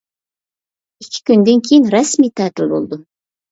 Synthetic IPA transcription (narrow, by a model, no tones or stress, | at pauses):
ɪkʲʰɪ̥kʲʰynd̪ɪŋkʲʰejinɾɛsmiːt̪ʰæːt̪ɪlbolˠd̪ʊ